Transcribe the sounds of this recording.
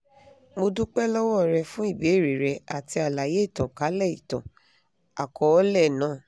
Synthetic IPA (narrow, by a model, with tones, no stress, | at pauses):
mo˧dũ˦k͡pɛ˦lɔ˦wɔ˦˨ɾɛ˧fũ˦i˦˨be˨˦˨ɾi˨ɾɛ˧˦a˨ti˧a˨la˨je˨˦˨tɔ̃˨ka˨˦lɛ˦˨ḭ˨tɔ̰̃˨ | a̰˨kɔ˨˦ɔ˦lɛ˦˨nãː˨˦˨